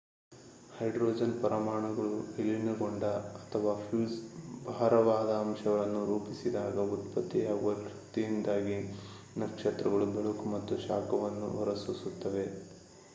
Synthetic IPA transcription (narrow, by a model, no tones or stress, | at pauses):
hɐjɖɾoːd͡ʒɐnpɐɾɐmaːɳɐɡɐɭuelinɐɡoɳɖɐɐt̪ʰɐʋaːpjuːsbʱaːɾɐʋaːd̪ɐːmʃɐɡɐɭɐnːuɾuːpisid̪aːɡɐut̪pɐt̪ːijaːɡuʋɐʃut̪ijind̪aːɡi | nɐkʂet̪ɾɐɡɐɭubeɭukumɐt̪ːuʃaːkɐʋɐnːṵɔɾɐsusut̪ːɐʋe̞